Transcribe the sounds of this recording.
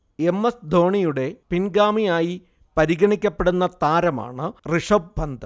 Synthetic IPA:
e̞mːɐsd̪ʱo̞ːɳijuɽe̞pinɡaːmijaːji | pɐɾiɣɐɳikʲːɐpːe̞ɽunːɐt̪aːɾɐma̰ːɳɨriʂɐb̚bʱɐnd̪ʱɐ

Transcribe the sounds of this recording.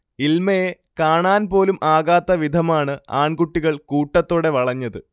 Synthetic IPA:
ilmɐje | kaːɳaːnpo̞ːlumʔaːɣaːt̪ːɐʋid̪ʱɐmaːɳɨa̰ːɳɡuʈːiɣɐɭkuːʈːɐt̪ːoːɽe̞ʋɐɭɐɲːɐðɨ

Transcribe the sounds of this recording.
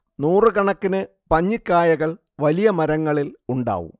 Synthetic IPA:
nuːrɨkɐɳɐkːinɨ | pɐɲːikːaːjɐɣɐɭ | ʋɐlijɐmɐɾɐŋːɐɭiluɳɖa̰ːʋṵm

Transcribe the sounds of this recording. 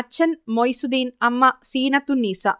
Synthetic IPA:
ɐt͡ʃʰɐnmojsud̪iːnɐmːɐsiːnɐt̪unːiːsɐ̰

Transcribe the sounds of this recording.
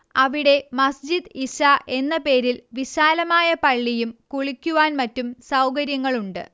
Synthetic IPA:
ɐʋiɽe̞mɐsd͡ʑid̪iɕaʔe̞nːɐpe̞ːɾilʋiɕaːlɐmaːjɐpɐɭːijumkuɭikʲːuʋaːnmɐtːumsɐwkɐɾjɐŋːɐɭuɳɖɨ̰

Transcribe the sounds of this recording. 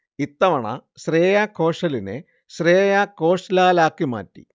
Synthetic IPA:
it̪ːɐʋɐɳɐ̰ɕreːjakʰːo̞ːʂɐlinḛ | ɕreːjako̞ːʂlaːlaːkːima̰ːtːḭ

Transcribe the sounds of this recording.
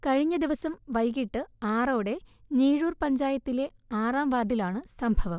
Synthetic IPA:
kɐɻiɲːɐd̪iʋɐsɐmʋɐjɣiʈːɨaːroːɽe̞niːɻuːrpɐɲd͡ʑaːjɐt̪ːile̞ | aːraːmʋaːrɖilaːɳɨsɐmbʱɐʋɐm

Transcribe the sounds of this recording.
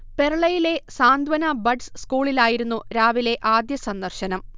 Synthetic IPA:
pe̞ɾɐɭɐjile̞saːnd̪ʱʋɐnɐbɐɖsskuːɭilaːjiɾunːuɾaːʋile̞ʔaːd̪jɐsɐnd̪ɐrɕɐnɐm

